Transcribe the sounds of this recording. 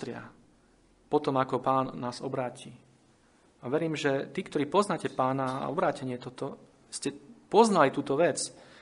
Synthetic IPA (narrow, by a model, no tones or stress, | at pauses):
t̪ɾɪa̰ | pɔt̪ɔmakɔpaːnːaːzɔbɾaːci | aʋɛɾiːmʒɛt̪iːkt̪ɔɾiːpɔznaːcɛpaːnaa̰ɔbɾaːcɛɲɪɛt̪ɔt̪ɔ | scɛpɔznalit̪uːt̪ɔʋɛt͡s